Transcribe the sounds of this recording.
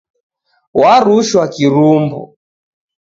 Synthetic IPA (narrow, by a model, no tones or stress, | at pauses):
waɾuʃwakiɾumbṵ